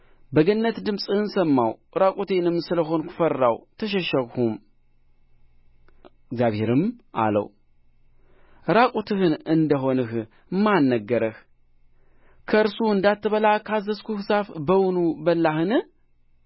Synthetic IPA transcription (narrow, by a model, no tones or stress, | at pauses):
bəɡənːət̪d̪ɨmsʼɨhɨnsəmːa̰wɾakʼut̪ʰe̞nɨmsɨləɦo̞nkʰu̥fərːa̰wt̪ʰəʃɛʃəɣhum | ɡzjaβheɾɨmʔa̰lə̰w | ɾakʼut̪ʰɨhɨnɨnd̪əɦo̞nɨh | mːanːəɡːəɾəh | kʰəɨɾsuɨnd̪at̪ʰːɨβəlakʰazəskʰuhɨsafbəwʊnubəlːahɨnɨ